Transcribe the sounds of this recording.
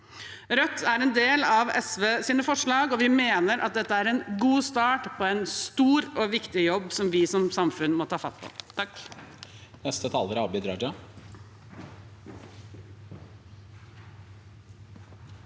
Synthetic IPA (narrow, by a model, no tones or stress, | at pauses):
ɾœt̪ʰːæɾɛnd̪eːlɑʋɛ̰sʋeːsiːnəfɔʂɭɑːɡɔʋɪmeːnəɾʔɑ̰t̪̚d̪ɛt̪ːəæɾɛnɡuːst̪ɑːʈpʰɔɛnst̪uːɾɔʋɪkt̪ɪjɔbːsɔmʋɪsɔmsɑmfʉnmɔt̪ʰɑːfɑt̪ːpʰɔ̰t̪ʰɑk | nɛst̪ət̪ʰɑːləɾɑbɪd̪ɾɑd͡ʒɑ